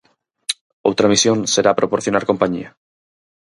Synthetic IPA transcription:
ot̪ɾamisjõ̞nse̞ɾapɾopoɾθjo̞naɾko̞mpaɲḭa

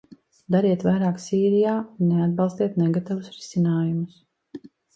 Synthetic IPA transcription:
d̪aɾiɛt̪vajɾaːksiːɾijaːunːead̪̚balˠst̪iɛt̪neɡat̪avusɾisinaːjumus

